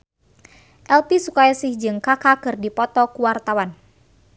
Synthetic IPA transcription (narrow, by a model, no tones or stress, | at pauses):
ʔɛlpisukajasɪhd͡ʒɨŋkakakɨrdipɔt̪ɔkuwart̪awan